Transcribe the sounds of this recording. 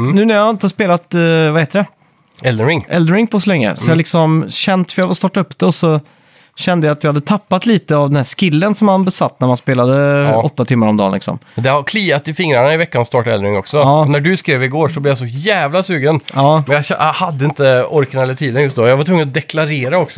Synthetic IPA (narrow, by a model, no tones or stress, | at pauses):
nʉ̟ːnæɾjahaɪnt̪əhaspeːlat̪vaheːt̪əd̪ɛ | ɛld̪əɾɪŋʔɛld̪ɾɪŋpʰɔsɔlɛŋːə̰sɔjalɪksɔmɕɛnt̪fœɾjavalst̪ɑːʈaɵpːd̪ɛɔsɔ | ɕɛnd̪əjaat̪jɑɡhad̪ːət̪ʰapːat̪liːt̪əavd̪ɛnhæʂkɪlːənsɔmhanbɛsat̪ːnæɾmanspeːlad̪əɔt̪ːat̪ʰɪmːaɾɔmd̪ɑ̰ːnlɪ̰ksɔ̰md̪ɛhaɾkʰliːat̪ɪfɪŋɾaɳaɪvɛkːanst̪ɑːʈaɛld̪ɾɪŋɔksɔɑːnæɖɵskɾeːvɪɡoːʂɔblɪjas̬ɔjæːvlasʉːɡənɑːmɛnjaɛ̰jhad̪ːəɪnt̪əɔɾknelːət̪ʰiːd̪ənjɵst̪̚d̪oːjaɡvaʈ̪ʰvɵŋːənɔd̪ɛkʰlaɾeːɾaɔksɔ